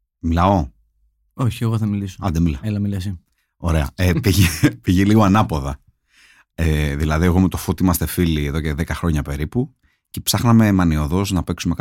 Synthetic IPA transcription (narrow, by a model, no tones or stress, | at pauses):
milɐo̞ | oçieɣoθɐmilisoɐd̪emilɐelɐmilɐs̬i | o̞ɾe̞ɐ̰epiʝipiʝiliɣoɐnɐpoðɐ | eðilɐðie̞ɣo̞met̪o̞fot̪iimɐst̪e̞filieðoce̞ðekɐxɾo̞ɲɐpe̞ɾipu | ce̞psɐxnɐme̞mɐnio̞ðo̞znɐpe̞ksumek